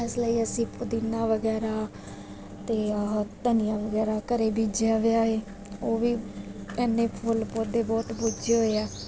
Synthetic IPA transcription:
ɪsləiːəsĩːpʰʊd̪inːaːʋəɡɛːɾaː | t̪eːt̪ənijãːʋəɡɛːɾaːkəɾeːbiːd͡ʒeaːʋɪaːɦeː | oːʋiːɛːnːẽːpʰʊlpoːd̪eːbɔːt̪bod͡ʒeːɦoːeɛː

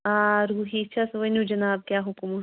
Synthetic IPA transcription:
aːɾuːɦit͡ʃʰasʋɐnũd͡ʒɐnaːb̚kjaːɦʊkmu

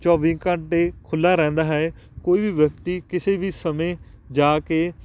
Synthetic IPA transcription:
t͡ʃɔːʋĩːkəɳʈeːkʰʊlːaːɾɛ̃ːnd̪aːɦɛː | koːiːʋiːʋjəkt̪iːkɪseːʋiːsəmẽːd͡ʒaːkeː

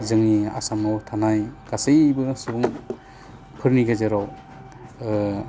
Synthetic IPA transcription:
zɯŋnia̰samɔwtʰanajɡ̥asejbɯsubuŋ | pʰɯɾniɡezeɾɔw

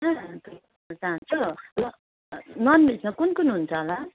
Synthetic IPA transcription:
ãt̪o | d͡zant͡sʰulʌ | nʌnmisnʌkunkunɦunt͡sʰʌɦla

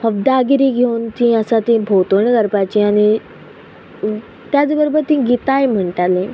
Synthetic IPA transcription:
pəbd̪aɡiɾiɡʱewnt̪ĩəsat̪ĩbʱot̪oɳkəɾpat͡ɕiaɽ̃i | t̪jad͡zbəɾobəɾt̪ĩːɡit̪ajm̤əɳʈalẽ

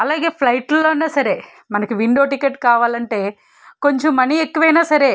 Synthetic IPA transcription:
ɐlaːɡe̞ːpʰlɐjʈloːnːaːsɐɾe̞ː | mɐnɐkiʋiɳɖo̞ːʈikeʈːkaːʋaːlɐɳʈe̞ː | ko̞ɲt͡ʃomːɐniekːuʋɐjnaːsɐɾe̞ː

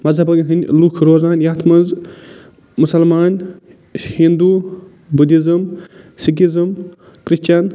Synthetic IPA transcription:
mɐzɐbɐɡɐɦinʲlukʰɾoːzaːnjat̪ʰmɐnz | musɐlmaːn | hind̪u | bud̪izɨm | sik̬izɨm | kɾiʃt͡ʃɐn

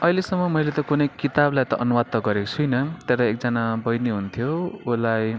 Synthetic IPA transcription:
ʌjlesʌmːʌmʌjlet̪ʌkunʌjkit̪ablajt̪ʌʔʌnumat̪ːʌɡʌɾekt͡sʰujnʌt̪eɾaek̚d͡zʌnabʌjniɦunt̪ʰjoulaj

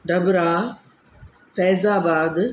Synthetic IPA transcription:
ɖɐbɾaː | fɛːzaːbaːd̪

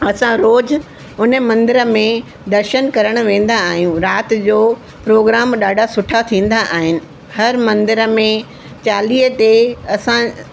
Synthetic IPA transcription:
ɐsãɾoːd͡ʑ | ʊnəmɐ̃nd̪ɪɾəmẽ | d̪ɐɾʃənkɐɾəɽ̃ʊ̆ʋẽːn̆d̪aːɦijũɾaːt̪d͡ʑoː | pɾoːɡɾaːmɗaːɖʱasʊʈʰat̪ʰĩːn̆d̪aʔaːɦɪnɪ̆ | hɐɾmɐ̃nd̪ɪɾə̆mẽ | t͡ɕaːliːɦət̪eɐsã

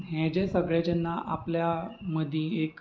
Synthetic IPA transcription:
ɦɛ̃d͡ʑẽsəɡɭed͡ʑənːaʔapljaməd̪ʱĩek

